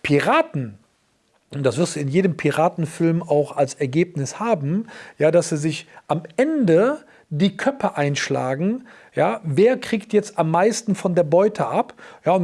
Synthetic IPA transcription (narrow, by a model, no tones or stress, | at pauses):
pʰiʁaːtn̩ | ʔʊnd̥asv̥ɪɐstd̥uːɪnjeːdəmpʰiʁaːtn̩fɪlmaʊxalsɛɐɡeːpnɪshaːbm̩jaːdasz̥iːzɪçʔamʔɛndə | diːkʰœpɐʔaɪnʃla̰ːɡŋ̩ | jaːveːɐkʁ̥iːktjɛt͡stʔamːaɪstn̩fɔndeːɐbɔʏtʰəʔapjaːʊn